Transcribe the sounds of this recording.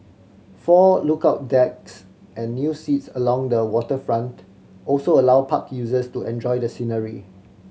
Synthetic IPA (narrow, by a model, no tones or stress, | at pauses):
fɔlukaʊt̚dɛk̚s | ʔɛ̃nːjusitsəlɔ̃ŋdəwɔtəfɹãnt | ʔɔlsoəlawpʰakjuzəstuʔɛ̃nd͡ʒɔɪdəsinəɹi